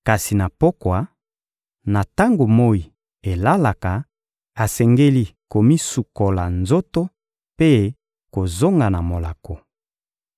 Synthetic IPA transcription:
ka˨si˨na˨po˦kwa˨ | na˨ta˦ŋɡo˨mo˦i˨ | e˨la˦la˨ka˨ | a˨sɛ˨ŋɡe˦li˦ko˨mi˦su˨ko˨la˨nzo˦to˦ | pe˦ | ko˨zo˦ŋɡa˨na˨mo˨la˨ko˨

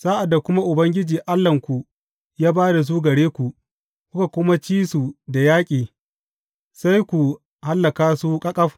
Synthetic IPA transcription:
saː˦ʔa˨dːa˨kʷʊ˦ma˦ʔʊ˨bɐ˦ŋɡʲɪ˦d͡ʒiː˨ʔa˦lːɐ˨ŋkʷu˨ | jaː˦baː˦da˨s̬uː˦ɡɐ˨ɽeː˦kʷu˨ | kʷʊ˦ka˨kʷʊ˦ma˦t͡ʃiː˦su˨da˨jaː˦kʲʼiː˨ | sa˦jkʷu˨ | ha˦lːɐ˨kaː˦su˦kʼɐ˦kʼɐ˦ɸ

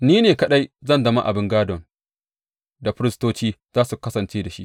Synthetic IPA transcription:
niː˦neː˨kɐ˦ɗa˦jzɐ˦˨ndɐ˦ma̰˦ʔa̰˨bɪ˦ŋɡaː˦dɔ˨n | da˨ɸɪ˦ɾɪ˦stoː˦t͡ʃiː˦z̥aː˦su˨kɐ˦sɐ˨nt͡ʃeː˦da˨ʃḭ˦ʔ

